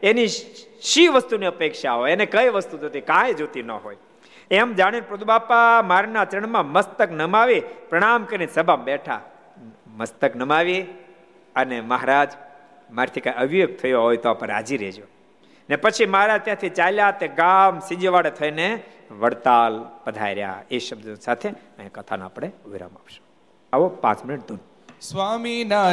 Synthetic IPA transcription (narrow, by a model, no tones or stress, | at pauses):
eniʃiʋəst̪uniəpekʃaɦojənekəjʋəst̪ud͡ʒot̪ikãjd͡ʒot̪inəɦoj | emd͡ʒaɽ̃inpɾəd̪ʱubapamaɾnat͡ʃəɳ̃mãməst̪əknəmaʋipɾəɽ̃amkəɾinisəbʱabɛʈʰa̰ | məst̪əknəmaʋi | əneməɦaɾad͡ʒ | maɾt̪ʰikajəʋijoɡ̚t̪ʰəjoɦojt̪oapəɾa̰d͡ʒiɾed͡ʒo | nepət͡ʃʰiməɦaɾad͡ʒt̪jãt̪ʰit͡ʃaljat̪eɡamsid͡ʒʋaɽet̪ʰəine | ʋəɽt̪alpəd̪ʱa̰jɾja̰eʃəbd̪nsat̪ʰe | əjekət̪ʰanaːpɽeuʋiɾa̰ma̰pʃo̥ | aʋopã̰t͡ʃmɪnɪʈ̚d̪un | sʋamina